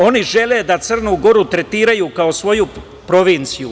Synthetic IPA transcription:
o̞niʒe̞led̪at̪sər̩nuɡo̞ɾut̪ɾe̞t̪iːɾajukao̞sʋo̞ju | pɾo̞ʋint̪siju

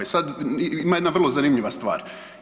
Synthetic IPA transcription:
jesad̪imajed̪naʋrlˠozanimʎiʋast̪ʋa̰ːɾ

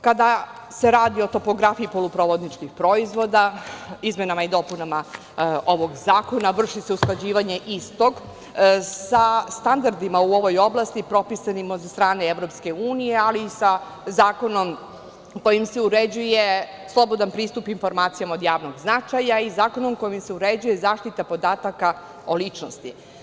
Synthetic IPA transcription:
kad̪a | se̞ɾaːd̪io̞t̪o̞po̞ɡɾafijipo̞lupɾoʋo̞d̪nit͡ʃkixpɾo̞izʋo̞d̪aizmenamaid̪o̞punama | o̞ʋo̞ɡzaːko̞naʋr̩ʂiseusklˠad͡ʑiːʋaɲe̞ʔist̪o̞ɡ | sast̪and̪aɾd̪imauo̞ʋo̞jo̞blˠast̪ipɾo̞pisanimosast̪ɾaːneeʋɾo̞pske̞uːnije̞aliːsa | zaːko̞no̞m | ko̞jimseuɾed͡ʑuje̞ | slˠo̞bo̞d̪anpɾiːst̪upinfo̞ɾmaːt̪sijamao̞d̪jaːʋno̞ɡznat͡ʂajaizaːko̞no̞mko̞jimseuɾed͡ʑuje̞zaːʂt̪it̪apo̞d̪aːt̪aka | o̞lit͡ʂno̰st̪ḭ

